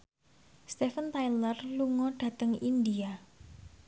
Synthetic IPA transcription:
st̪efənt̪ajlərluŋɔɖ̥ä̤t̪əŋindia

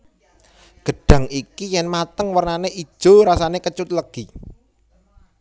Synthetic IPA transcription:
ɡ̥ə̤ɖ̥ä̤ŋikijɛnmat̪əŋwərnaneid̥ʒ̥o̤ɾasanekət͡ʃʊt̪̚ləɡ̥i

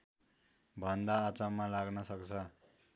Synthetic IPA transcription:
bʱʌnd̪aːt͡samalaɡnʌsʌkt͡sʰʌ

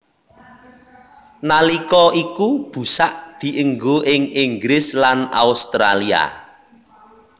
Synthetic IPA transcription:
nalikɔikub̥ṳsaʔd̪̥i̤ʔəŋɡoɪŋiŋɡɾɪslana̰ust̪ɾa̰lia̰

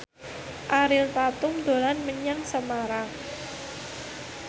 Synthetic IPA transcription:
ʔaɾɪlt̪at̪ʊmd̪̥o̤lanməɲaŋsəmaɾa

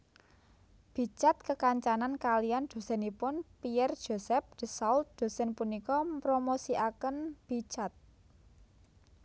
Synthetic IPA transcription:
b̥i̤t͡ʃat̪̚kəkaɲt͡ʃanankalijand̪̥o̤sɛnipʊnpiɛrd̥ʒ̥o̤sɛp̚d̪̥ə̤sault̪̚d̪̥o̤sɛnpunikɔpɾomosiʔakənb̥i̤t͡ʃat̪̚

